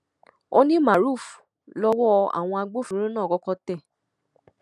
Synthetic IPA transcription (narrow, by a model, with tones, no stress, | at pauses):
o˧nĩ˦ma˨ɾu˦˨f | lɔ˧wɔ˦˧a̰˨w̃ɔ̃˧a˧ɡ͡bo˦fĩ˦ɾ̃ĩ˦nãː˦˨kɔ˧˦kɔ˧tɛ˦˨